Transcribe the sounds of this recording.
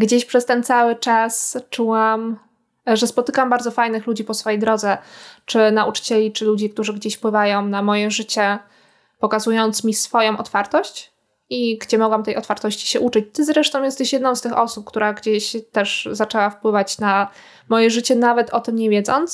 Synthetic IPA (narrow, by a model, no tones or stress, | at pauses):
ɡd͡ʑeɕpʂɛst̪ɛnt̪sawɘt͡ʂast͡ʂuwam | ʐɛspɔt̪ɘkambaɾd̪zɔfajnɘxlud͡ʑipɔsfɔjejd̪ɾɔd̪zɛt͡ʂɘnaʔut͡ʂɘ̥t͡ɕɛlʲit͡ʂɘlud͡ʑik̚t̪uʐɘɡd͡ʑeɕfpwɘvajɔ̃w̃namɔjɛʐɘt͡ɕɛ | pɔkazujɔnt̪smʲisfɔjɔ̃w̃ɔt̪faɾt̪ɔɕt͡ɕ | iɡd͡ʑɛmɔɡwamt̪ɛjɔt̪faɾt̪ɔɕt͡ɕi̥ɕɛʔut͡ʂɘt͡ɕt̪ɘzɾɛʂt̪ɔ̃wjɛst̪ɛɕjɛd̪nɔ̃w̃st̪ɘxɔsup̚kt̪uɾaɡd͡ʑeɕt̪ɛʂzat͡ʂɛwafpwɘvat͡ɕna | mɔjɛʐɘt͡ɕɛnavɛt̪ʰɔt̪ɘmɲɛvʲjɛd̪zɔnt̪s